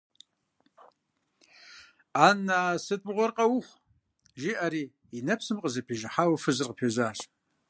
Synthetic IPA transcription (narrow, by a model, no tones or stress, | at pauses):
aːnːaːsɨtʼʁʷɔrqʼɐwʊχʷ | ʒiʔaɾiː | inɐpʰsɨmqʼəzɐpʰiːʒɪħawɐfɨzɨrqəpʰezaːʒ